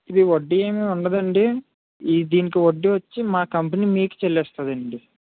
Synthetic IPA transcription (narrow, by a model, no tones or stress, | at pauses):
id̪iʋoɖːieːmiuɳɖɐd̪ɐɳɖi | id̪iːnik̬iʋoɖːiʋɐt͡ʃːimaːkɐmpɐniːmiːku̥t͡ʃelːɛːst̪ɐd̪ɐɳɖi